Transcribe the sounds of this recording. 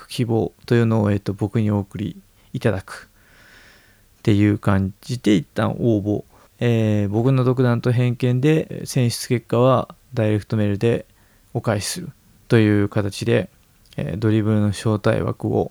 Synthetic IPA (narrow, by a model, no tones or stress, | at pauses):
kɯ̥kʲibo̞ːt̪ojɯ̟ːno̞ːe̞ːt̪ːo̞bo̞kɯ̟ɲ̟io̞ːkɯ̟ɾʲḭː | t̪ad̪akɯ̟̥ | t̪e̞jɯ̟ːkãɲd͡ʑit̪e̞it̪ːã̰ɰoːbo̞ | eːbo̞kɯ̟no̞d̪o̞k̬ɯ̟d̪ãnt̪o̞ɦẽ̞ŋkẽ̞nd̪e̞sẽ̞ɰ̃ɕɨ̥t͡sɨ̥ke̞kːaβ̞ad̪aiɾe̞kɯ̟̥t̪o̞me̞ɾɯ̟d̪e̞ | o̞kaisɨɾɯ̟ | t̪o̞jɯ̟ːkat̪at͡ɕid̪e̞̰ | d̪o̞ɾʲibɯ̟ɾɯ̟no̞ɕo̞ːt̪a̰ḭβa̰kɯ̟o̞̰